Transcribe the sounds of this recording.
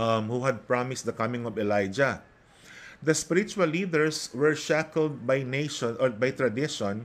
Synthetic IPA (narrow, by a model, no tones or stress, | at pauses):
mhuhɐd̪̚pɹamɪst̪̚d̪ɐkɐmɪ̃ŋɔvɛlajd͡ʒɐ | d̪ɐspɪɾɪt͡ʃʊɐlːiːd̪ɛɹswɛɹʃækɛld̪̚bajneɪʃɔnʔɔbajt̪ɹɐd̪ɪʃɔ̃n